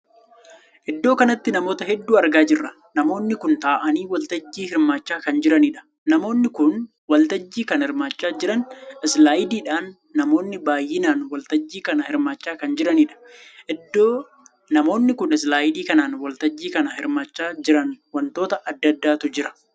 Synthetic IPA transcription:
ʔɛd̪ːo̞ːkɐnɐt̪ːɪnɐmo̞ːt̪ɐɦɛd̪ːuːɐɾɡaːd͡ʒɪrːɐ | nɐmo̞ːnːɪkʊnt̪aːʔɐniːwɐlt̪ɐd͡ʒːiːhɪɾmaːt͡ʃːaːkɐnd͡ʒɪɾɐniːᶑɐ̥ | nɐmo̞ːnːɪkʊn | wɐlt̪ɐd͡ʒːiːkɐnhɪɾmaːt͡ʃːaːd͡ʒɪɾɐnɛslaːɪd̪iːᶑaːnː | ɐmo̞ːnːɪbaːjːɪnaːnwɐlt̪ɐd͡ʒːiːkɐnɐhɪɾmaːt͡ʃːaːkɐnd͡ʒɪɾɐniːᶑɐ̥ʔɛd̪ːoː | nɐmo̞ːnːɪkʊnɛs̬laːɪd̪iːkɐnaːnwɐlt̪ɐd͡ʒːiːkɐnɐhɪɾmaːt͡ʃːaːd͡ʒɪɾɐnwɐnt̪o̞ːt̪ɐʔɐd̪ːɐd̪ːaːt̪ʊd͡ʒɪɾɐ̥

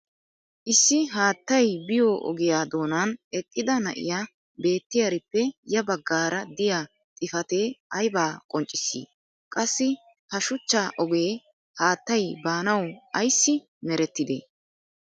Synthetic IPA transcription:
ʔɪsːɪɦaːt̪ːɐjbɪjoːʔɔ̰ɡɪjaːd̪o̞ːnanɛkʼːɪd̪ɐnɐ̰ʔɪ̰jaː | be̞ːt̪ːɪjɐɾɪpːɛjɐbɐɡːaːɾɐd̪ɪjaː | t̪ʼɪfɐt̪e̞ːɐjbaːkʼɔnt͡ʃʼːɪsḭː | kʼɐsːɪ | hɐʃʊt͡ʃːaːʔɔɡe̞ː | haːt̪ːɐjbaːnɐwɐjsːɪ | mɛɾɛt̪ːɪd̪ḛː

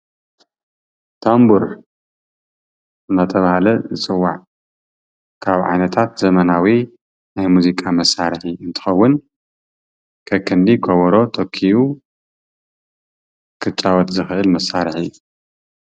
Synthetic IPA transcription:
t̪ʰambuɾ | ɨnɐt̪ʰɐβahlɐzɨt͡sʼɨwːa̰ʕ | kʰaβʕa̰jnɐt̪ʰat̪zɐmɐnawi | najmuzikʼamɐsːaɾħiɨnt̪ʰɨ̥xɐwːʊn | kʰɐkʰːɨnd̪ikʰoβɐɾo̞t̪ʰokʰːiʔu | kʰɨt͡ʃʼːawɔt̪zɨxɨʔɨlmɐsːaɾħijːu

